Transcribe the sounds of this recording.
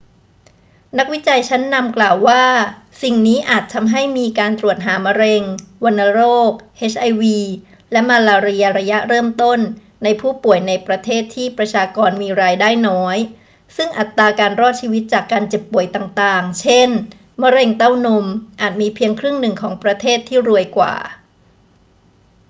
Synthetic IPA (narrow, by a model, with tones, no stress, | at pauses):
na˦˥k̚wi˦˥t͡ɕa˧jt͡ɕʰa˦˥nːa˧mklaː˨˩wːaː˥˩ | si˨˩ŋniː˦˥ʔaː˨˩t̪ʰːa˧mɦa˥˩jmiː˧kaː˧nt̪ɾu˨˩ət̪̚ɦaː˩˦ma˧ɾe˧ŋwa˧nːa˧ɾoː˥˩k̚ʔeː˦˥t͡ɕʰʔa˧jwiː˧ | lɛ˦˥maː˧laː˧ɾi˧ɐ˧ɾa˧ja˦˥ʔɾɤː˥˩mt̪o˥˩nː | a˧jpʰuː˥˩pu˨˩əjna˧jpɾa˧t̪ʰeː˥˩t̪ʰːiː˥˩pɾa˧t͡ɕʰaː˧kɔː˧nmiː˧ɾaː˧jdaː˥˩jnɔː˦˥j | sɯ˥˩ŋʔa˨˩t̪ːaː˧kaː˧nɾɔː˥˩t̪̚t͡ɕʰiː˧wi˦˥t̪̚t͡ɕaː˨˩kːaː˧nt͡ɕe˨˩pːu˨˩əjt̪aː˨˩ŋt̪aː˨˩ŋt͡ɕʰe˥˩n | ma˧ɾe˧ŋt̪a˥˩wno˧mʔaː˨˩t̪̚miː˧pʰi˧əŋkʰɾɯ˥˩ŋnɯ˨˩ŋkʰɔː˩˦ŋpɾa˧t̪ʰeː˥˩t̪ʰːiː˥˩ɾu˧əjkwa̰ː˨˩